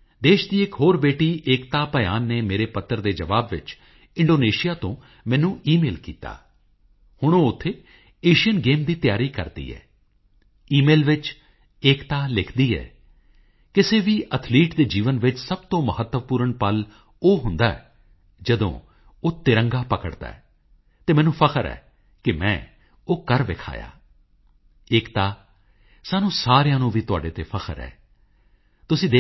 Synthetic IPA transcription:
d̪eːʃd̪iːɪkɦoːɾbeːʈiːʔeːkt̪aːpəja̰ːnːeːmeːɾeːpət̪ːəɾd̪eːd͡ʒəʋaːbʋɪ̰t͡ʃ | ɪ̃ɳɖoːneːʃɪjaːt̪õː | mɛ̃ːnũːʔiːmeːlkḭːt̪a̰ː | hʊɳ̃õːʊt̪ʰːeː | eːʃɪjənɡeːmd̪iːt̪jaːɾiːkə̰ɾd̪ḭːɛ̰ː | iːmeːlʋɪt͡ʃ | eːkt̪aːlɪkʰd̪iːɛ̰ː | kɪseːʋiːʔət̪ʰliːʈd̪eːd͡ʒiːʋənʋɪt͡ʃsəb̚t̪õːməɦət̪ːəʋpuːɾəɳpəl | oːɦʊnd̪aːɛ | d͡ʒəd̪õ̰ː | oːt̪ɪɾə̃ŋɡaːpəkəɽd̪a̰ːɛː | t̪eːmɛ̃ːnũːpʰəkʰəɾɛ̰ː | kɪmɛ̰̃ː | oːkəɾʋɪkʰa̰ːja̰ː | ɪːkt̪aː | saːnũːsaːɾejãːnũːʋiːt̪ʊaːɖeːt̪eːpʰəkʰə̰ɾɛ̰ː | t̪ʊsĩːd̪eː

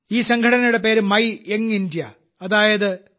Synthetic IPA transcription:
iːsɐŋɡʱɐʈɐnɐjuɽe̞pe̞ːɾɨmɐjeŋindjɐ | ɐðaːjɐðɨ

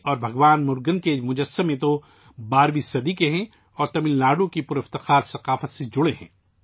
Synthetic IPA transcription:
ɔːɾbʱɐɡʋaːnmʊɾɡənkemʊd͡ʒəsːəmːẽt̪o | baːɾwisɐd̪ikeɦɛ̃ | ɔːɾt̪ɐmɪllaːɖõkipʊɾɪft̪ɪxaːɾsɐqaːfət̪sed͡ʒʊɽeɦɛ̰̃ː

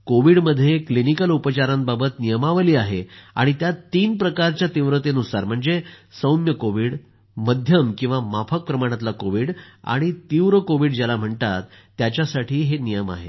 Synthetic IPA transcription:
koʋiɽməd̪ʱːjeklinikəlupət͡ɕaɾãmbabət̪nijəmaʋəliːaɦea̰ɽ̃it̪jat̪ːiːnpɾəkaɾt͡ɕjat̪iʋɾət̪enusaɾm̤əɳd͡zesəwnjəkoʋiːɽ | məd̪ʱjəmkĩw̃ʋamafʰək̚pɾəmaɽ̃ãt̪lakoʋiːɽa̰ɽ̃it̪iʋɾəkoʋiːɽd͡ʑalam̤əɳt̪at̪ːjat͡ɕjasaʈʰiːɦenijəma̰ɦḛ

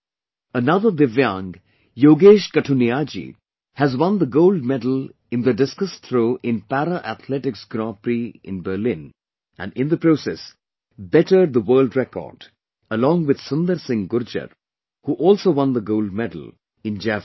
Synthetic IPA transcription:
ənʌðəd̪ɪvjãŋɡ | joːɡeːʃkəʈʰuniad͡ʒḭ | hæzwʌ̃nd̪əɡoʊlɖ̚mɛdl̩ˠ | ɪ̃nd̪əɖɪskəst̪ʰɾoːʔɪ̃npæɾəʔæt̪ʰlɛʈɪksɡɾɑ̃pɾiɪ̰̃nbəːlɪ̃n | ʔæ̰̃nɪ̃nd̪əpɾoːsɛs | bɛʈəɖ̚ðəwəːlɖɹɛkɔ̰ːd | əlɔ̃ːŋwɪd̪̥sʊ̃nd̪əɾsɪ̃ŋɡʊɾd͡ʒə̰ɾ | huʔɔːlsowʌ̃nd̪əɡoʊld̚mɛdəl̩ˠ | ɪ̃nd͡ʒæ

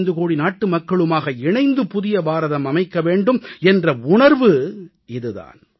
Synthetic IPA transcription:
nd̪ɯkoːɽinaːʈːɯmɐkːɐɭɯmaːɣɐɪɳɐɪnd̪ɯpʊðɪjɐbaːɾɐðɐmɐmɐɪkːɐʋeːɳɖɯmɛndrɐʊɳɐɾʋɯ | ɪðɯða̰ːn

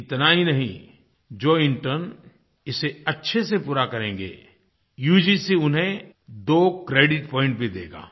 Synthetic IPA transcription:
ɪt̪naɦinɐɦḭ̃ | d͡ʒoːɪ̃ɳʈəɾn | ɪseɐtːʃʰesepuːɾakɐɾẽːŋ̆ɡḛː | juːd͡ʒisiʊnɦẽ | d̪oːkɾeːɖɪʈpɔ̃ːɪ̃ɳʈ̚bʱid̪ḛːɡa̰ː

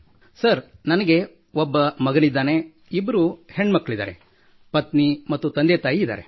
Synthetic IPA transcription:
sɐɾnɐnɐɡe̞ | obːɐmɐɡɐnid̪ːaːne̞ | ibːɐɾuheɳːmɐkːɐɭid̪a̰ːɾe̞̰ | pɐt̪nimɐt̪ːut̪ɐnd̪et̪aːjiːd̪a̰ːɾe

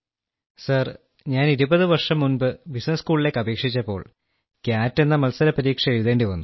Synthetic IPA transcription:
sɐr | ɲaːniɾubɐðɨʋɐrʂɐmːunbɨbisnɐskuːɭile̞ːkːɐbe̞ːkʂit͡ɕːɐpːo̞ːɭ | kjaːtːe̞nːɐmɐlsɐɾɐpɐɾiːkʂɐeɻuðe̞ːɳɖɨʋɐnːu

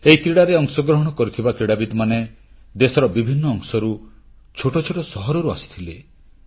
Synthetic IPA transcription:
eik̪ɾiɽaɾeɔŋsɔɡɾɔɦɔɽ̃ɔkɔɾit̪ʰibakɾiɽabid̪mane | d̪esɔɾɔbibʱinːɔːŋsɔɾu | t͡ʃʰoʈɔt͡ʃʰoʈɔsɔɦɔɾɔɾuasi̥t̪ʰile

